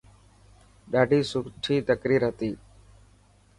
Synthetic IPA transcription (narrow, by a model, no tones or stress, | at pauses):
ɖaːɖiːsʊkʈʰiːt̪əkɾiːɾɦət̪iː